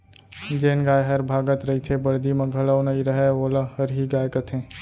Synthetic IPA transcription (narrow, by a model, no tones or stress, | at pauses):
d͡ʒeːnɡaːjɦəɾbʱaːɡət̪ɾɐɦit̪ʰebəɽd̪imẽɡʱələwnəiɾəɦɛoːləhəɾɦiɡaːjkət̪ʰẽ